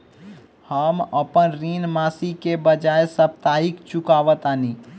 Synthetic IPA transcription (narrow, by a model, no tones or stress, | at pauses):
həməpənɾinmasikebəd͡ʒaesəp̚t̪aɦikt͡ʃukaʋət̪ani